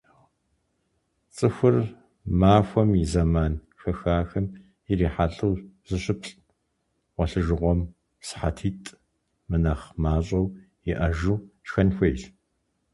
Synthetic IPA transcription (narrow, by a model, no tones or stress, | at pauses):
t͡sʼɨxʷʊr | maːxʷɔmizɐmaːn | xɐxaːxɐm | jɪriːħaɬʼɨwz̥ɨɕɪpʰɬʼ | wʷɔɬɨʒɨʁʷɔm | sɨ̥ħatʰiːtʼ | mɨnɐχmaːɕʼɐw | ɪʔɐʒuːʃxɐnxʷejɬ